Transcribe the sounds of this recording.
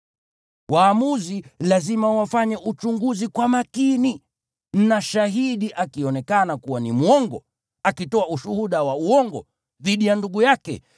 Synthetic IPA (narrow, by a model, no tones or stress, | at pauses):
waːmuzilazimawafaɲɛʔut͡ʃuŋɡuzikwamakini | n̩naʃaɦiɗiʔakiɔnɛkanakuwanimwɔŋɡɔ̰ | akitɔauʃuhuɗawauɔŋɡɔ̰ | ðiɗijanduɡujakɛ̰